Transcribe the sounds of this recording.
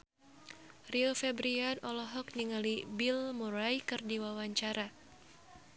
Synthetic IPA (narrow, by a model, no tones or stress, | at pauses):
riɔfɛbɾianɔlɔɦɔk̚niŋalibilmuɾajkɨrdiwawaɲt͡ʃaɾa